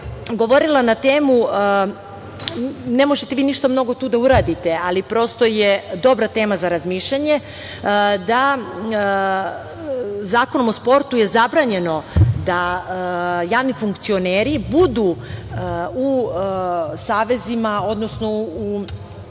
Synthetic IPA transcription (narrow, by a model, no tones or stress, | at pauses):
ɡo̞ʋo̞ɾilˠanat̪eːmu | nemo̞ʒet̪eʋiːniʃt̪amno̞ɡo̞t̪uːd̪auɾad̪it̪e̞alipɾo̞st̪ojed̪o̞bɾat̪e̞ːmazaɾazmiːʃʎaɲe̞ | d̪a | zaːko̞nomospo̞ɾt̪uje̞zabɾaɲe̞no̞d̪a | jaːʋnifuŋkt̪sio̞neːɾibud̪u | u | saːʋe̞zimao̞d̪no̞snou